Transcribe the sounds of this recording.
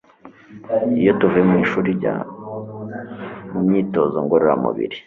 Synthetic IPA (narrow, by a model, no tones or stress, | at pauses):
ijo̞tuvuemiʃuːɾiɟa̰ | mumɲiːto̞zo̞ŋɡoɾoɾa̰mṵβḭɾi